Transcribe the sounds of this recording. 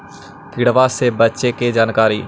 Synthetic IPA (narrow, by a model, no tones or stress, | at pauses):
kʰiɽʋaːseːbətːʃeːkeːd͡ʒaːnkaːɾḭː